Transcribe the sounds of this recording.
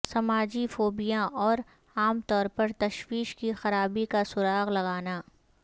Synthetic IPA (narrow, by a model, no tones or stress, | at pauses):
sɐmaːd͡ʒifoːbijãʔɔːɾ | aːmt̪ɔːɾpɐɾt̪ɐʃwiːʃkixɐɾaːbikasʊɾaːɣlɐɡaːnaː